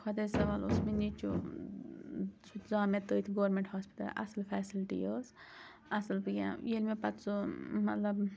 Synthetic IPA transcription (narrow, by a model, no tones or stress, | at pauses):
kʰɐd̪esɐʋaːlo̰smenit͡ʃṵ | t͡ʃʰud͡zãːmet̪əːjt̪ʰɡoːɾmẽɳʈhaːspi̥t̪ɐ̰lɐ̰sɨlpʰɛːsilʈḭjəːs | ɐsɨlpɨjʲã̰jelmepɐt̪t͡sumɐt̪lɐb